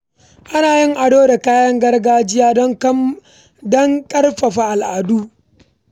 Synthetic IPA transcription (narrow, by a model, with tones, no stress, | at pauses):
ʔa˦naː˨jɪ˦ŋʔa˨doː˦da˨kaː˦jɐ˦ŋɡɐ˦rɡaː˦d͡ʒɪ˦jaː˦dɔ˦ŋ˦ | dɔ˦ŋkʼɐ˦rɸɐ˨ɸa˨ʔa˨lʔaː˨du˦